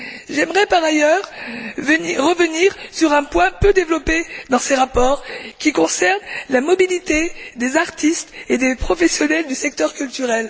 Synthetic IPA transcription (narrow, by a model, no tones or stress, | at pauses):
ʒɛmʁɛpaʁajœʁvəniːəvəniʁsyʁɛ̃pwɛ̃pød̪evlɔped̪ɑ̃seʁapɔːʁkʲikɔ̃sɛʁnlamɔbilit̪ed̪ezaʁt̪ist̪ed̪epχɔfɛsjɔnɛld̪ysɛk̚t̪œʁkʲylt̪yʁɛl